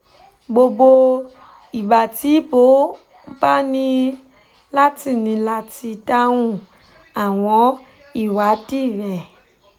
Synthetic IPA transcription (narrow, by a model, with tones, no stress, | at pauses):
ɡ͡bo˧bo˧ | i˨ba˨ti˨˦bo˨˦ | ba˦nĩ˧ | la˦ti˦˨nĩ˧la˧ti˧ta˦w̃ũ˦ | a˨w̃ɔ̃˧˦ | i˦˨wa˨˦di˦˨ɾɛ̃˨